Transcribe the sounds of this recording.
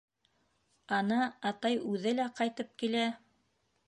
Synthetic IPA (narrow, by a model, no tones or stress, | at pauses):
ɑnɑːt̪ɑjʉðɘlæqɑjt̪ɤp̚kilæ